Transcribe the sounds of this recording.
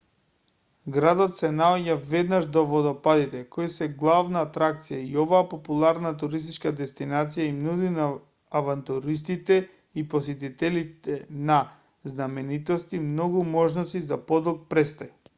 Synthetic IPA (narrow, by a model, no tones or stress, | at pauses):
ɡɾad̪ɔt̪sɛnaɔɟavɛd̪naʒd̪ɔvɔd̪ɔpad̪it̪ɛkoisɛɡlˠavnaːt̪ɾak̚t̪sijaiɔvaːpopulˠaɾnat̪uɾist̪it͡ʃkad̪ɛst̪inat̪sijaimnud̪inaː | vant̪uɾist̪it̪ɛ | ipɔsɛt̪̬it̪ɛlit̪ɛna | znamɛnit̪ɔst̪imnɔɡumɔʒnɔst̪izapɔd̪ɔlˠk̚pɾɛst̪oja